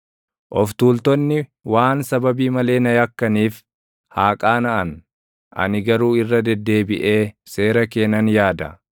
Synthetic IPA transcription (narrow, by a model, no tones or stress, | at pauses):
ʔɔft̪uːlt̪ɔnːɪwaːnsɐbɐbiːmɐle̞ːnɐjɐkːɐniːf | haːkʼaːnɐʔɐn | ʔɐ̰nɪɡɐɾuːɪrːɐd̪ɛd̪ːe̞ːbɪʔe̞ːse̞ːɾɐke̞ːnɐnjaːd̪ɐ